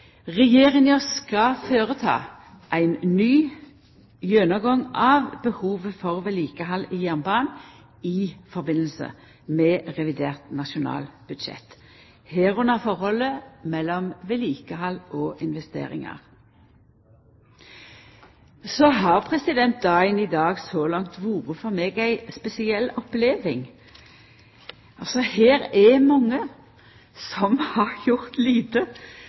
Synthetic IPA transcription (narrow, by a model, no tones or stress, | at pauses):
ʁɛjeːʁɪŋjɔskɑføːʁət̪ʰɑ̰ː | ʔæɪnnyː | jœnəɡɔŋʔɑːʋbəhuːʋəfɔʁʋɛliːkəɦɑliːjæʁnbɑːn | iːfɔʁbɪnəl̩sə̰ | mɛːʁɛʋɪd̪eːʁt̪nɑʃʊnɑ̰ːlb̥ʉd̪ʃɛ̰t̪ː | heːʁʊnɑfɔʁhɔləmɛlːɔmʋɛliːkəhɑlʔɔʔɪnʋɛst̪ḛːɾɪ̰ŋɑ̰ʁ | sɔɦɑʁpʰʁɛsɪd̪ɛnt̪̚d̪ɑɪnid̪ɑːɡsɔlɑŋt̪ʋuːʁəfɔʁmeːɡæɪspɛsɪɛlɔpleːʋɪŋ | ɑlsɔheːɾɛmɑŋːə | sɔmhɑʁjʊʁt̪liːt̪ə